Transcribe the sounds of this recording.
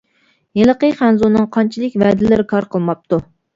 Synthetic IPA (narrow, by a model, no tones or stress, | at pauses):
jelˠəqəχænzunːɨŋqʰɑnt͡ʃʰilˠɪkʲvɛd̪ɪlɪɾɪkʰɑɾqʰəlˠmɑp̚t̪ʰu